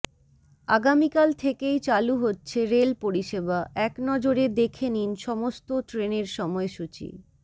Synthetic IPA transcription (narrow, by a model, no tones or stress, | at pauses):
aɡamikalt̪ʰekejt͡ɕaluɦotːɕʰeɾelpoɾiʃebaʔɛknɔd͡ʑoɾed̪ekʰeninʃɔmost̪oʈɾeneɾʃɔmɔeʃut͡ɕḭ